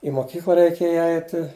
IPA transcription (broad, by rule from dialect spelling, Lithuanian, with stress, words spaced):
ɪ moːˈkʲiːklˠɐ rʲɛɪˈkʲeːjɛ ˈɐɪtʲɪ